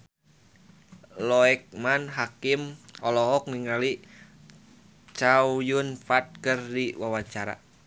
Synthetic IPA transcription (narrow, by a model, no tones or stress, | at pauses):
lɔɛk̚manɦakimɔlɔɦɔk̚niŋali | t͡ʃawujunfat̪̚kɨrdiwawaɲt͡ʃaɾa̰